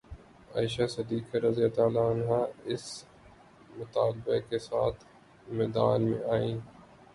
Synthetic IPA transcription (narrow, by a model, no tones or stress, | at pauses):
a̰ːɪʃasɐd̪iːkeɾɐzijat̪aːlaːnɦaɪs | mʊt̪aːlbekesaːt̪ʰ | mɛːd̪a̰ːnmḛ̃aːĩː